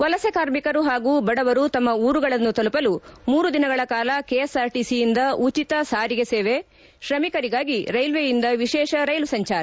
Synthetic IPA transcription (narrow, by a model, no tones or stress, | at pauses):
ʋɐlɐsekaːɾmikɐɾuɦaːɡuːbɐɽɐʋɐɾut̪ɐmːɐuːɾuɡɐɭɐnːut̪ɐlupɐlumuːɾud̪inɐɡɐɭɐkaːlɐkejɐsaːɾʈisijind̪ɐut͡ʃit̪ɐsaːɾiɡeseːʋe | ʃɾɐmikɐɾiɡaːɡiɾɐjlʋejind̪ɐʋiʃɛːʃɐɾɐjlusɐɲt͡ʃaːɾɐ